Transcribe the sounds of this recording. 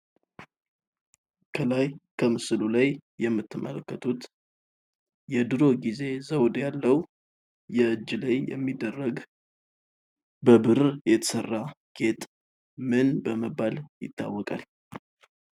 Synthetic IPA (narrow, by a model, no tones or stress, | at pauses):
kʰəlajkʰəmɨsɨlulajːɛmːɨt̪ːɨmʔə̰ləkːət̪ʰut̪ | jɛd̪ɨɾo̞ɡize̞zəwd̪jalːəw | jɛʔɨd͡ʒːlajjɛ̰mːid̪ːərːəɡ | bəbɨɾjɛt̪ʰə̥sərːa | ɡ̥e̞t̪ʼ | mɨnbəməbːaljɪ̰t̪ʰːa̰wːɔkʼal